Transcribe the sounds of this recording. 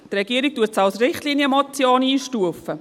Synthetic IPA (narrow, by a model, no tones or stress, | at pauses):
trɛɡ̥iəɾik̚tuətsɑlsrɪχtliːniəmɔt͡sjoːniːʃtuəfə